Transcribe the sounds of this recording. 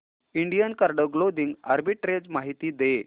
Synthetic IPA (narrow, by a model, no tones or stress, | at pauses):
iɳɖijənkaɾɖəɡlod̪iŋɡa̰ɾbiʈɾed͡zmaɦit̪iːd̪e